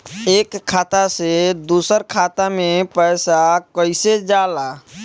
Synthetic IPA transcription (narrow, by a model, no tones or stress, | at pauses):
eːkʰːaːt̪ased̪uːsəɾkʰaːt̪amẽpɛɪsakəɪsed͡ʒala